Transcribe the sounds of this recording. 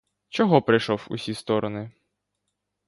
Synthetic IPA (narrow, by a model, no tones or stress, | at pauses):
t͡ʃɔɦɔpɾɪjʃɔwṵsʲist̪ɔɾɔnɪ